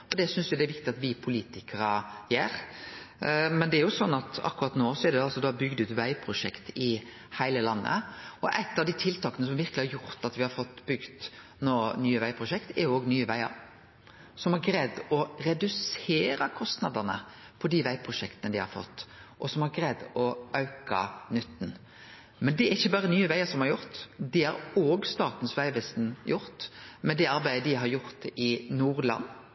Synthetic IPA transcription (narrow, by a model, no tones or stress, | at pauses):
ɔd̪ɛsʏnsʊd̪ɛɾʋɪk̚t̪ɪɑt̪ʋɪpʰʊliːt̪ɪkəɾəjæːɾ | mɛnd̪ɛæɾjʊsɔnːɑt̪ɑ̰kːʉɾɑt̪noːsɔɛɾd̪ɛɑlsɔd̪ɑbʏɡd̪ʉːt̪ʋæɪpʰɾʊʂɛkt̪ɪ | hæɪləlɑnːə̰ɔʔæ̰ɪt̪ːɑʋd̪iːt̪ʰɪlt̪ʰɑːkənəsɔmʋɪɾklɪhɑɾjʊɾt̪ɑt̪ʋɪhɑɾfɔt̪ːbʏɡd̪ | noːnyːəʋæɪpʰɾʊʃɛkt̪ɛɾjʊoːɡnyːəʋæɪə̰ɾ | sɔmhɑɾɡɾɛd̪ɔɾɛd̪ʉseːɾɑkʰɔst̪nɑd̪ənə̰ | pʰɔd̪iʋæɪpʰɾʊʃɛkt̪ənəd̪ɪhɑ̰ɾfɔ̰t̪ːʔɔsɔmhɑɾɡɾɛd̪ɔʔɑʉkɑ̰nʏt̪ːn̩ | mɛnd̪ɛæɾɪçːəbɑːɾənyːəʋæɪɑsɔmhɑɾjʊɾt̪d̪ɪhɑ̰ɾoːɡst̪ɑːt̪n̩sʋæɪʋɛst̪njʊɾt̪mɛd̪ɛɑɾbæɪəd̪ɪɦɑɾjʊɾt̪ɪnuːɾlɑ̰n